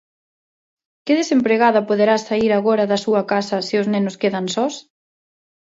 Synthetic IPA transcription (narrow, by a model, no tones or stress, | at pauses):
kɪðesempɾeɣaðɐpoðeɾasaiɾaɣoɾɐðɐsuɐkasɐseʊznenʊskeðɐnsɔs